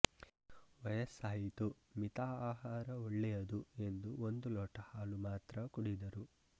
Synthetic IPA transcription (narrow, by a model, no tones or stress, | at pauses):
ʋɐjɐsaːɦit̪u | mit̪aːaːɦaːɾɐoɭːɛjɐd̪ue̞nd̪uond̪ulɔːʈɐhaːlumaːt̪ɾɐkuɽid̪ɐɾu